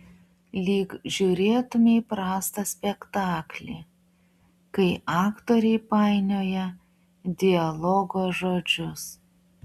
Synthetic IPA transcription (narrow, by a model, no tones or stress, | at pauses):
lʲiːkʒʲuːɾʲeːt̪ʊmʲeɪpɾɑːst̪ɐsʲpʲɛkt̪ɑːklʲḛː | kɐɪʔɑːkt̪oːɾʲɛɪpɑˑɪnʲoːjɛ | d̪ʲɪɐlˠɔɡoːʒoːd͡ʒʲʊs